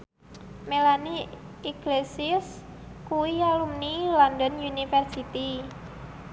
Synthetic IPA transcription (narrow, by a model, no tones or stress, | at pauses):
melani | iɡlesɪs | kuwialumnilɔndɔnjunifɛrsit̪i